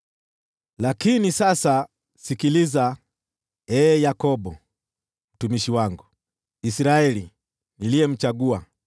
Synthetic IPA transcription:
lakinisasa | sikiliza | ɛːjakɔbɔ | m̩tumiʃiwaŋɡu | isɾaɛli | nilijɛm̩t͡ʃaɡua

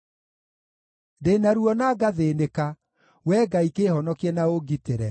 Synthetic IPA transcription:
denaɾuɔnaːɡaðeneka | wɛːɡaikehɔnɔkɛnaoɡiteɾɛ

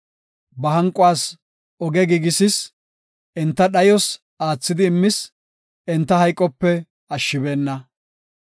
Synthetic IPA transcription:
bɐɦɐŋkʼʊwaːs | ɔɡɛɡiɡɪsɪs | ʔɛnt̪ːɐɗɐjɔs | aːt͡sːɪd̪ɪːmːɪs | ɛnt̪ːɐhɐjkʼːɔpːɛ | ɐʃːɪbe̞ːnːɐ

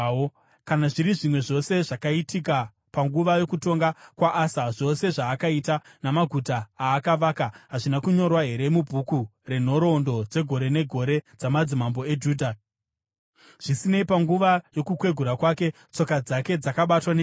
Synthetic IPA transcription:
kanaʐiɾiʐimwe̞ʐo̞se̞ʐakaitika | paŋɡuʋajo̞kuto̞ŋɡakwaʔasaʐo̞se̞ʐaːkaitanamaɡʱutaːkaʋaːkaɦaʐinakuɲo̞rwaɦe̞ɾe̞mubʱukure̞n̤o̞ɾo̞ndo̞d͡ze̞ɡʱo̞ɾe̞ne̞ɡʱo̞ɾe̞d͡zamad͡zimambo̞e̞d͡ʒuːdʱa | ʐ̥isine̞ipaŋɡuʋajo̞kukwe̞ɡʱuɾakwake̞ | t͡so̞kad͡zake̞d͡zakaɓatwane

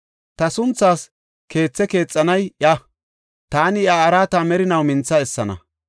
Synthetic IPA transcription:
t̪ɐsʊnt͡sːaːs | ke̞ːt͡sːɛke̞ːt͡sʼːɐnɐjʔjɐ | t̪aːnɪjaːɾaːt̪aːmɛɾɪnɐwmɪnt͡sːɐɛsːɐnɐ̰

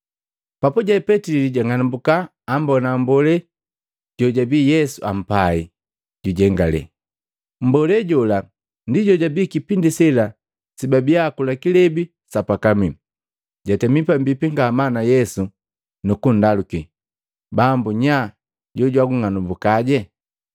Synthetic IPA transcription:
papuɟapɛtililiɟaŋanubukaː | mbɔnambɔlɛ | ɟ̥ɔɟabiːjɛsuam̩pai | ɟuɟɛŋɡalɛ̰ | m̩bɔlɛɟɔla | ndiɟɔɟabiːkipindisɛla | sibabiakulakilɛbi | sapakami | ɟatɛmipambipiŋɡamanajɛsu | nukun̩daluki | bambuɲa | ɟɔɟwaɡuŋanumbukaɟɛ

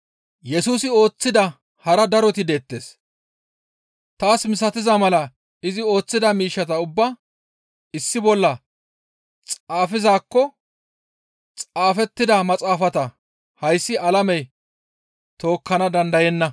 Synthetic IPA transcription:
jɛsuːsɪo̞ːt͡sːɪd̪ɐ | hɐɾɐd̪ɐɾɔt̪ɪd̪e̞ːt̪ːe̞̰ːs | t̪aːsmɪs̬ɐt̪ɪzɐmɐlɐ | ɪzɪo̞ːt͡sːɪd̪ɐmiːʃːɐt̪ɐʊbːɐ | ɪsːɪbɔlːɐ | t͡sʼaːfɪzaːkːɔ | t͡sʼaːfɛt̪ːɪd̪ɐmɐt͡sʼaːfɐt̪ɐ | hɐjsːɪɐlɐmɛj | t̪o̞ːkːɐnɐd̪ɐnd̪ɐjɛnːɐ

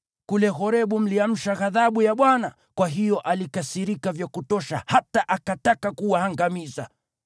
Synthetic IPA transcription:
kulɛɣɔɾɛɓum̩liam̩ʃaɣaðaɓujaɓwana | kwaɦijɔʔalikasiɾikavjakutɔʃa̰hataʔakatakakuwahaŋɡamiza̰

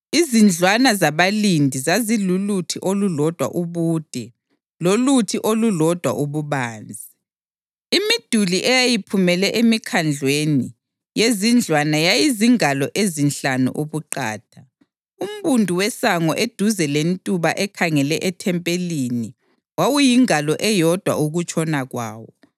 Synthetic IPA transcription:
izind͡ɮʱwanazaβalindʱizazilulutʰiʔolulɔd̥ʱwa̰ʔuβuːd̥ʱɛ | lolutʰiʔolulɔd̥ʱwa̰ʔuβuβaːnd͡zʱi | imid̥ʱuliʔɛjajipʰumɛlɛʔemikʰand͡ɮʱweni | jezind͡ɮʱwanajajiziŋalɔʔezinɬanṵʔuβuǃa̰ːtʰa | um̩βundʱuwɛsaŋɔʔed̥ʱuzɛlentʼuβaʔɛkʰaŋɛlɛʔɛtʰɛmpʼelini | wawujiŋalɔʔɛjɔd̥ʱwa̰uɣut͡ʃʰʼɔnaɣwa̰ːwɔ

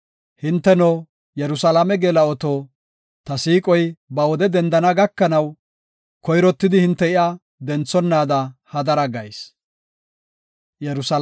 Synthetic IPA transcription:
hɪnt̪ːɛnɔ | jɛɾʊsɐlamɛɡeːlɐɔt̪oː | t̪ɐsiːkʼɔjbɐwɔd̪ɛd̪ɛnd̪ɐnɐɡɐkːɐnɐw | kɔjɾɔt̪ːɪd̪ɪhɪnt̪ːɛɪʔa | d̪ɛnt͡sːɔnːaːd̪ɐhɐd̪ɐɾɐɡɐjs | jɛɾʊsɐ

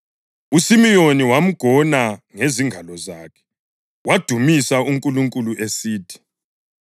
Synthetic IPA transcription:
usimijoniwam̩ɡ̥ʱɔnaŋeziŋɡʱalɔzaːkʰɛ̥ | wad̥ʱumisauŋkʼuluŋkʼuluʔesiːtʰi̥

